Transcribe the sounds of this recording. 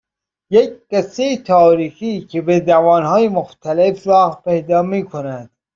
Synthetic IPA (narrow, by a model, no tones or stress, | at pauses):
jec̚qæset̪ʰɒːɾiːxiːcʰebed̪ævɒːnhɑːjemoxt̪ʰælefɾɒːhpejd̪ɒːmiːkʰonæd̪̥